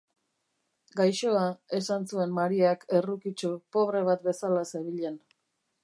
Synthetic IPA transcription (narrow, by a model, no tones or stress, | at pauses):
ɡajʃoae̞sansue̞mmaɾiakʰe̞rukit͡ʃopo̞βɾe̞β̞at̪̚be̞salaseɾβiʎen